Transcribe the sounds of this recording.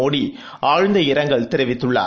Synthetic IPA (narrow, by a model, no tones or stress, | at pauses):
oːɽi | aːɻnd̪ɐɪɾɐŋɡɐɭt̪ɪɾɪʋɪt̪ːɯɭːa̰ː